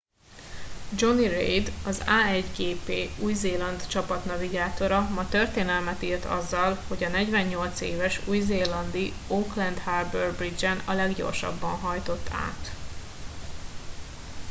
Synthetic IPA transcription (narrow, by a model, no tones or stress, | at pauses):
d͡ʒo̞nirḛjd̪ɒzaːɛɟɡeːpeːuːjzeːlɒnd̪t͡ʃɒpɒt̪nɒviɡaːt̪o̞ɾɒmɒt̪ø̞rt̪eːnɛlmɛt̪iːrt̪ɒ̰zːɒlho̞ɟɒnɛɟvɛɲɲo̞lt̪seːvɛʃujzeːlɒnd̪i | oklɛnd̪harbørbrid͡ʒɛnɒlɛɡɟo̞̰rʃɒ̰bːɒnɦɒjt̪o̞t̪ːa̰ːt̪